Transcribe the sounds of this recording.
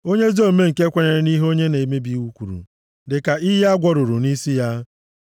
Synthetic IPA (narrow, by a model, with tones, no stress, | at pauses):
o˦ɲe˦zo˦˨˦me˦ŋ̩˨ke˦kʷe˦ɾe˨ɾe˨ni˦ɦo˦ɲe˦ne˨e˨me˦bi˦u˦kʷu˨ɾṵ˨ | dɪ˨ka˨i˦ɦe˦a˦ɡʷɔ˦ɾʊ˨ɾu˨ni˦si˦ja˦